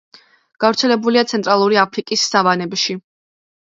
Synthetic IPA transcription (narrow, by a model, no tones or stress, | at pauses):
ɡ̥avɾt̪sʰɛlɛbuliat̪sʰɛnt̪ʼɾalˠuɾiapʰɾikʼisːavanɛbʃi